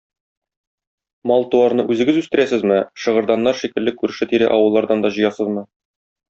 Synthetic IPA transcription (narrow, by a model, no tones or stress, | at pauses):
mɒlˠt̪uɑɾnɤʔʉzɘ̆ɡɘzʉst̪ɘ̆ɾæsɘzmɘʃɤ̆ʁɤ̆ɾd̪ɑnːɑɾʃikɘ̆lːɘkːʉɾɘ̆ʃɘt̪iɾæ̰ʔɒwɤlˠːɑɾd̪ɑnd̪ɒʑɤ̆jɑsɤzmɤ